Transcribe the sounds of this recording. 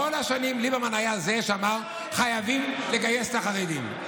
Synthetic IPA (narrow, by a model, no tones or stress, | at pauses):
olhaʃanimlibamanajaze̞ʃamaʁ | χajavimle̞ɡaje̞st̪aχaʁed̪ḭm